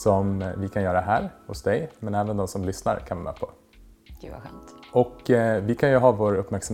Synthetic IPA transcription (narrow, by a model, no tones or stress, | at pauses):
sɔmvɪkʰanjœːɾaɦæːɾhʊ̰sd̪ɛjmɛnæːvənd̪ɔmsɔmlʏsna̰ɾkʰanʋɛmɛ̰ːpʰɔ | ɡ̥ʉ̰va̰ɧɛ̰mt̪ɔkvɪkʰanjɵɦɑːvoːɾɵpːmæɾksam